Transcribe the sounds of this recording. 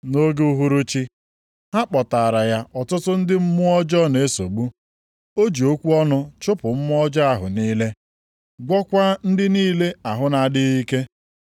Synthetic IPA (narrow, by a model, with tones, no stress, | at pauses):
no˦ɡu˦ɦu˦ɾu˦t͡ʃi˦ | ha˦k͡pɔ˨ta˨a˨ɾa˨ja˦ʔɔ˨tʊ˦tʊ˦n̩˦dɪ˦m̩˦mʊ˦ɔ˦d͡ʒɔ˦ne˨˦so˨ɡ͡bu˦ | o˦d͡ʒi˨o˦kʷu˦ɔ˦nʊ˦t͡ʃʊ˦pʊ˨m̩˦m˦ɔ˦d͡ʒa˦a˦ɦʊ̰˨niː˦le˦ | ɡʷɔ˦kʷa˦n̩˦dɪ˦niː˦le˦a˨ɦʊ˦na˨dɪ˦i˦ke˦